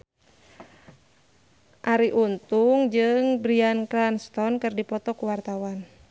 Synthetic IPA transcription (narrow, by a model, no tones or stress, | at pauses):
ʔaɾiʔunt̪uŋd͡ʒɨŋbɾiankɾanst̪ɔnkɨrdipɔt̪ɔkuwart̪awan